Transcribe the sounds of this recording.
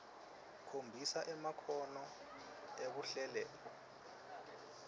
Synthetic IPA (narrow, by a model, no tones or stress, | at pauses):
kʰombʱisaʔɛmakʰɔnɔ | eβuɬɛlɛːlɔ